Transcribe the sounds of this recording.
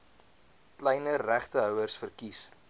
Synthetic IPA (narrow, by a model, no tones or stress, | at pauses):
klɛjnəræχtəɦœwərsfərkis